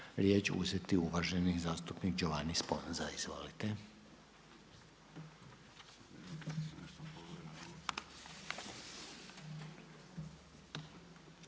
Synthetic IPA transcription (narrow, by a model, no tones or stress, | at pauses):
ɾjeːt͡ʃṵzet̪iuʋaʒenizaːst̪upnikd͡ʑoʋanispo̞̰nzaizʋo̰lit̪e